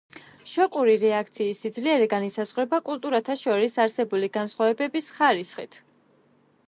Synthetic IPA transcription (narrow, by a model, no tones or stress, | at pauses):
ʃɔkʼuɾiɾɛakʰt̪sʰiːsid̪zliɛɾɛɡanisazʁɾɛbakʼulˠt̪ʼuɾat̪ʰaʃɔɾisaɾsɛbuliɡansχwavɛbɛbisχaɾisχḭt̪ʰ